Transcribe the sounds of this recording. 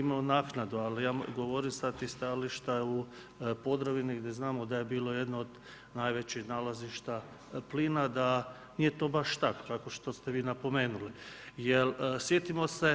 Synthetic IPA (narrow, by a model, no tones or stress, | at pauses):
imaonaːknad̪ualijaːɡoʋo̞ɾimsad̪̚t̪ixst̪aliʃt̪au | po̞d̪ɾaʋiniɡd̪eznaːmod̪aje̞biːlˠo̞jed̪noːd̪ | najʋet͡ɕixnaːlaziʃt̪a | pliːnad̪a | niːjet̪o̞ːbaʃt̪akkako̞ʃt̪o̞st̪eʋiːnapo̞me̞ːnulijelsjet̪imo̞se̞